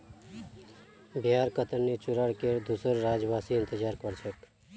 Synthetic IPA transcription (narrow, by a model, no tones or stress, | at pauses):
bʱjaɾkət̪ənnit͡ʃuɾaɽkeɾd̪usəɾːad͡ʒbasiɪnt̪əd͡ʒaːɾkɔɾt͡ʃʰek